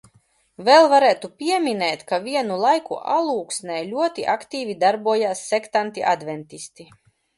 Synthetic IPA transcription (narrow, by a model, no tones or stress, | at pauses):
vɛlˠvaɾæːt̪upʲiɛmʲinɛːt̪kavʲiɛnulˠajkṵʔa̰lˠuːksnʲɛjlʲuɔt̪iʔakt̪iːvʲid̪aɾbuɔjaːsːɛkt̪ant̪iʔa̰d̪vʲɛnt̪ʲist̪i